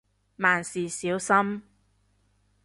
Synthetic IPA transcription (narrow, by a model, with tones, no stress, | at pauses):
maː˨˩nsiː˨˩siː˨˥wsɐ˥m